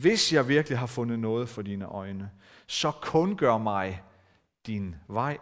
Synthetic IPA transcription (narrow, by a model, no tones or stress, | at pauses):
ʋe̝sjɑ̈ɪʋiɐɡ̥liɦɑ̈fɔ̽nð̩ˠnɔ̽ːð̩ˠfɒ̽d̥iːnəʔɒ̽ɪnə | sɒ̽kʰɔ̽nɡ̥ɶɐ̰mɑ̈ɪ | d̥inʋɑ̈ɪ̰